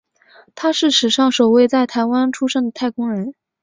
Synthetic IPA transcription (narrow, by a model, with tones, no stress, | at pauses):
t̪ʰa˥ʂɻ̩˥˩ʂɻ̩˨˩ʂɑ˥˩ŋʂo˨˩ʊwe˥˧ɪt͡sa˥˩ɪt̪ʰa˧˥ɪwa˥nʈ͡ʂʰu˥ʂə˥˩ŋd̪ə˩t̪ʰa˥˩ɪkʊ˥ŋɻə˧˥n